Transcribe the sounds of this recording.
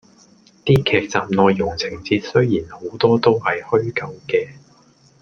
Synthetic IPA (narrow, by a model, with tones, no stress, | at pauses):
t̪iː˥kʰɛː˧k̚t͡saː˨mnɔː˨˧jːʊ˨˩ŋt͡sʰɪ˨˩ŋt͡siː˧t̚sɵ˥ɥjiː˨˩nho˨˧˥wt̪ɔː˥t̪o˥whɐ˨jhɵ˥ɥkɐ˨˥wkɛː˧